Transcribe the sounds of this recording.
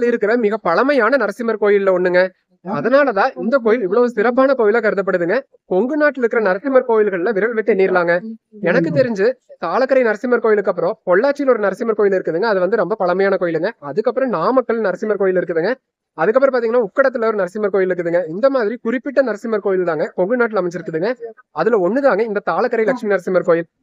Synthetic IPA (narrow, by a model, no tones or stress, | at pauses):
lɪɾɯkːɯɾɐmɪɣɐpɐɭɐmɐjaːnɐnɐɾɐsɪmɐɾkoːjɪlːɐɔɳːɯŋɡɐ | ɐðɐnaːlɐt̪ãːʔɪnd̪ɐkoːjɪlɪʋːɐɭɐːʋɯsɪɾɐpːaːnɐkoːjɪlɐkɐɾɯðɐp̬ːɐɽɯðɯŋɡɐ | kɔŋɡɯnaːʈːɪlɪɾɯkːɯɾɐnɐɾɐsɪmɐɾkoːjɪlɣɐɭlɐʋɪɾɐɭʋɪʈːɯɛnːiːɾɯlaːŋɡɐɛnɐkːɯt̪ɛɾɪɲd͡ʒɯt̪aːlɐkːɐɾɐɪnɐɾɐsɪmɐɾkoːjɪlɯkːɐpːɯɾõːpɔɭːaːt͡ʃːɪjɪlɔɾɯnɐɾɐsɪmɐɾkoːjɪlɪɾɯkːɯðɯŋɡɐːðɯʋɐnd̪ɯɾɔmbɐpɐɭɐmɐjaːnɐkoːjɪlɯŋɡɐɐðɯkːɐpːɯɾɔ̃naːmɐkːɐɭnɐɾɐsɪmɐɾkoːjɪlɪɾɯk̬ːɯðɯŋɡɐ | ɐðɯkːɐpːɯɾɐ̃pːaːɾt̪iːŋɡɐnːaːʊkːɐɽɐt̪̬ːɯlɐɔɾɯnɐɾɐsɪmɐɾkoːjɪlɪɾɯkːɯðɯŋɡɐɪnd̪ɐmaːðɪɾikʊɾɪpːɪʈːɐnɐɾɐsɪmɐɾkoːjɪlt̪aːŋɡɐkɔŋɡɯnaːʈ̬ːɪlɐmɪt͡ʃːɪɾɯkːɯðɯːŋɡɐ | ɐðɯlɐɔnːɯðaːŋɡɐɪnd̪ɐt̪aːɭɐkːɐɾɐɪlɐkʂminɐɾɐsɪmɐɾkoːjɪl